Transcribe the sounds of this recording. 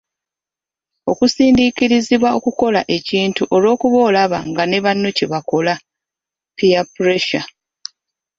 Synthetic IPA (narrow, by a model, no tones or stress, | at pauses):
o̞kusiːndiciɾiziβwao̞kuko̞la̰ʔe̞ciːntuʔo̞lo̞ːkuβo̞ːlaβa̰ŋɡane̞βanːoce̞βako̞la | piapuɾe̞ʃa